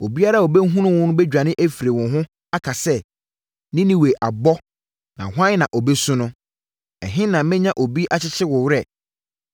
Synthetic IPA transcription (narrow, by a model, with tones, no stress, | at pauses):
o˨bi˦a˦ɾa˦˨o˨be˦ɦũ˦nʊ̃˦wʊ̃˦nʊ̃˦bɛ˦d͡ʑᶣa˨nɪ̃˦ʔæ˦fi˨ɾe˨wʊ̃˨ɦʊ̃˦ | a˦kʰa˨sɛ˦ | nɪ̃˦nɪ̃˦we˨ʔa˨bɔ˦ | nã̰˨ɦʷʊ˦ã˦n˦nã˨ʔɔ˨bɛ˦sʊ̃˦nʊ̃˦ | ɛ̰˨ɦɪ̃˦nã˨mɛ̃˦ɲã˦ʔo˨bi˦ʔa˨t͡ɕʰɪ˦t͡ɕʰɪ˦wʊ˨wɾɛ˨